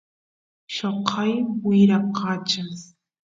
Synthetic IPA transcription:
ʃoqʰɑjwɪjɾɑqʰɑːt͡ʃas

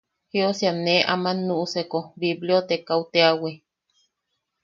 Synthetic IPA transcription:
hiosjaneʔamanːuʔusekobibljot̪ekawt̪eawe

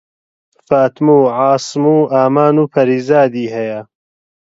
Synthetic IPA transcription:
faːt̪muːʕɑːsmuːʔaːmaːnuːpʰɐɾiːzaːd̪iːɦɐjɐ

